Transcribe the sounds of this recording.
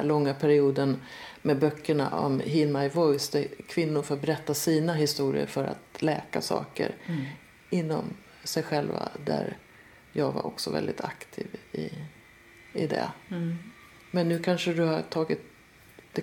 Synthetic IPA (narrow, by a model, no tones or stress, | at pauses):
lɔŋːapʰæɾɪuːd̪ən | mɛbœkʰːəɳa̰ʔɔ̰mɦɪlmajvɔjsd̪ɛkʰvɪnːʊɾfɾat̪̚bɛɾɛt̪ːasiːnaɦɪst̪uːɾɪ̰ə̰ɾfœɾa̰t̪lɛːkasɑ̰ːkə̰ɾ | ɪnːɔm | sɛjɧɛlva̰d̪æ̰ɾ | jɑːɡva̰ɾʔɔksɔvɛ̰ld̪ɪt̪ʰakt̪ʰiːvɪ | ɪd̪ɛ̰ | mɛnːʉkʰanʂəd̪ɵhaʈʰɑːɡɪt̪̚ | d̪̥ɛ